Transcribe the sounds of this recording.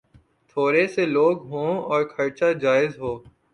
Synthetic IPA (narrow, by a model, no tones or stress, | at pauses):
t̪ʰoːɾeseloːɡɦõːɔːɾkʰɐɾt͡ʃad͡ʒaːɪzɦoː